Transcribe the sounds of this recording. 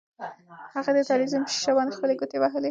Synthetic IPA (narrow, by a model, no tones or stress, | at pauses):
haɣad̪ət̪ɑlizumt͡ʃɪ̥ʃawɑnxpəleɡʊt̪ewaɦəle